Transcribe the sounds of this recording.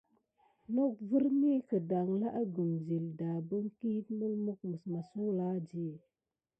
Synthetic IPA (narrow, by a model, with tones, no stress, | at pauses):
nɔ˦k̚və˦ɾni˦kə˨da˨ŋla˦ʔa˦ɡu˨mzi˨lda˨bə˦ŋki˦t̚mu˦lmu˦k̚mə˨sma˨su˦la˦d͡ʒi˦˨